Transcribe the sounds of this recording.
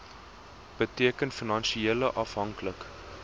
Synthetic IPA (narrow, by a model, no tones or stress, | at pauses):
b̥ətiəkənfinɐnʃieələʔɐfɦɐŋklək